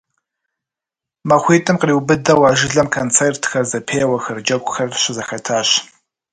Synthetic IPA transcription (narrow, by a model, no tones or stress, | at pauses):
mɐχʷiːtʼɨmqriːwbɨdɐwɑːʒɪɮɐmkʰont͡sʰeːrtʰxɐrzɐpʰeːwɐxɐrd͡ʒɐkʷʼʊxɐrɕɪzɐxɐtʰaːɕ